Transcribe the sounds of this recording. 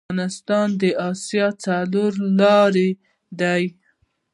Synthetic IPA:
nɪst̪ɑnd̪əʔɑsjɑt͡saloɾlɑɾe | d̪aj

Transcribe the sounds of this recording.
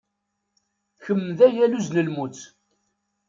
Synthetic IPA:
çəmːðæjæluznəlmut͡s

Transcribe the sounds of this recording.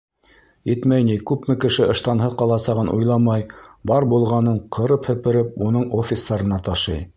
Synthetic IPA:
it̪mæjnikʉpmɘkɘ̆ʃɘʔɤ̆ʃt̪ɑnɦɤðqɑlˠɑsɑʁɤnʔṵjlˠɑmɑjbɑɾbulˠʁɑnɤɴqʰɤ̆ɾɤphɘ̆pɘ̆ɾɘp̚unɤɴofʲɪsd̪ɑɾɤ̆nɑt̪ɑʃɤ̰j

